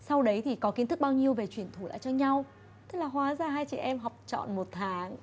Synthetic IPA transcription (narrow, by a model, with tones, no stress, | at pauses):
sa˧wɗə˨˦jt̪ʰi˨˩kɔ˨˦ki˨˦nt̪ʰɨ˦˥k̚ɓaː˧wɲi˧əwve˨˩t͡ɕwi˧˩ənt̪ʰu˧˩la̰ː˧˨t͡ɕɔ˧ɲa˧w | t̪ɨ˦˥k̚laː˨˩hɦwaː˨˦zaː˧˩ɦaː˧jt͡ɕɛ̰˧˩ʔɛ˧mɦɔ˨˩wp̚t͡ɕɔ̰˧˨nmo˨˩t̚t̪ʰaː˨˦ŋ